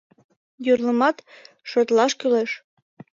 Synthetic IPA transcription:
jurlə̆mɑt̪ | ʃot̪lɑʃkyleʃ

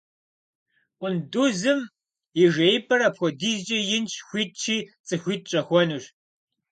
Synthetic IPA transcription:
ʔʷʊnduzɨm | ɪʒejpʰʼɐɾɐpxʷɔdiːzd͡ʒɐjɪnt͡ʃʰʼxʷiːt̚t͡ʃʰiːt͡sʼɨxʷiːt̚ʼt͡ʃʼɐxʷɔnuɕ

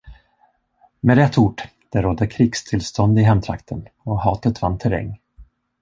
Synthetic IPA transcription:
mɛɾɛt̪ʰːuːʈ | d̪̥ɛɾɔd̪əkʰɾiːkst̪ʰɪlst̪ɔnd̪ɪɦɛmt̪ʰɾa̰kt̪ʰənɔhɑːt̪ət̪vant̪ʰɛɾɛ̰ŋː

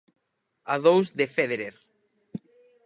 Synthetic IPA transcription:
aðowzðefeðeɾeɾ

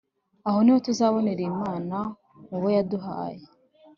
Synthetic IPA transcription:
aho̞nihotuzaːβo̞neɾiːmaːna | ŋuβojaduɦa̰ːje

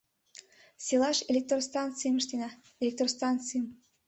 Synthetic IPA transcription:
sʲilɑʃelʲek̚t̪rost̪ɑnt̪t͡sɨjəmə̆ʃt̪enɑ | elʲek̚t̪rost̪ɑnt̪t͡sɨjəm

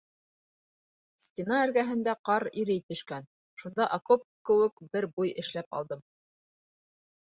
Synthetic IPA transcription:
sʲtʲɪnɑɘ̆ɾɡæɦɘ̆nd̪æqɑɾiɾɘjt̪ɵ̆ʃkæn | ʃund̪ɑʔɐkop̚kɘ̆wɘkbɘɾbujɘ̆ʃlæpɑ̰lˠd̪ɤm

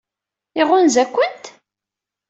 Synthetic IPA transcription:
iʁʊnzækʷːənt̪

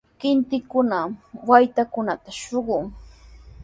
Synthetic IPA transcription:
kɪnt̪ɪkʊnawajt̪akʊnat̪aʃoɢʊŋ

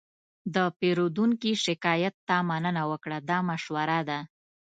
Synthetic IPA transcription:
d̪əpeɾod̪uŋkiʃɪkɑjat̪ːamanənawəkɽad̪ɑmaʃwaɾad̪a

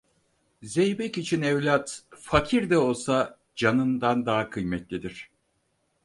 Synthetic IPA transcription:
zejbɛcit͡ʃʰinɛvlʲat̪fakʰiɾd̪ɛo̞lˠsa | d͡ʒanɯnd̪and̪aːakʰɯjmɛt̪lʲid̪iɾ̝̥

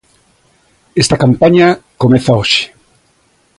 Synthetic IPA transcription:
est̪akampaɲakomeθaoʃɪ̥

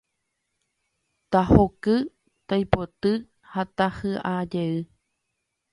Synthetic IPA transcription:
t̪ahokɨ | t̪ajpot̪ɨ | hat̪ahɨʔad͡ʒeɨ

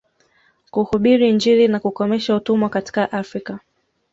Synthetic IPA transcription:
kuhuɓiɾind͡ʒilinakukɔmɛʃautumwakati̥kaʔafɾika

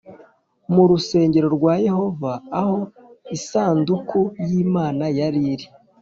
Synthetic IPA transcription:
muɾuse̞ːɲɟe̞ɾo̞ɾɡwaːje̞ho̞vaːho̞isaːndukʰujiːmaːnajaɾiɾi

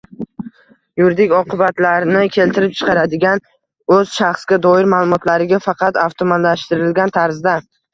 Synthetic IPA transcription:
jʊɾd̪ɪkʲɒqɨbat̪laɾnɪkʲʰe̞lt̪ʰɪɾɪp̚t͡ʃʰɨ̥qʰɑɾad̪ɪɡʲan | ɵz̥ʃaχsɡʲad̪ɒɪɾmaːlˠʊmɒt̪ʰlaɾɪɡʲafɑqɑt̪aft̪ʰomanlaʃt̪ɪɾɪlɡʲant̪ʰaɾzd̪a

